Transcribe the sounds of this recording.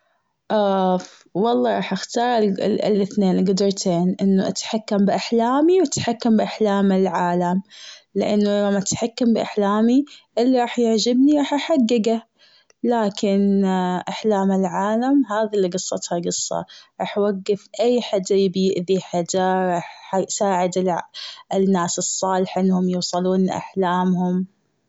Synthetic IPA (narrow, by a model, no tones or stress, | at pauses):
ʔaf | wɑlˤːɑːɾˤɑːħʔaxt̪ɑːɾ̰ˤlʔɪθneːnlɡʊd̪ɑɾt̪ʰeːnʔɪnːuʔat̪ħakːambʔaħlaːmiwat̪ħakːambʔaħlaːmɪlʕaːlamlɪ̰ʔa̰nːulamːaʔat̪ħakːambɪʔaħlaːmiʔɪlːiɾˤɑːħjɪʕd͡ʒɪbniɾˤɑːħʔaħaɡːaɡa | laːkɪnʔaħlaːmɪlʕaːlamɦaːðilːiɡɨsˤːɑt̪haɡɨsˤːɑ̰ɾˤɑːħwaɡːɪfʔajːħad͡ʒ̪ːajbjɪʔðiħad͡ʒaɾˤɑːħjsaːʕɪd̪ɪlɪnːaːsɨsˤːɑːlɪħʔɪnːhʊmjuːsˤɑluːnʔa̰ħlaːmhʊm